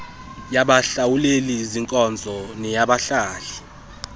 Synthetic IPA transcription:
jaɓaɬawuleliziŋkʼɔnd͡zʱɔnɛjaɓaɬaːɬi

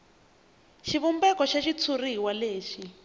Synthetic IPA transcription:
ʃiβumbɛkɔʃaʃit͡sʰuriwaleːʃi

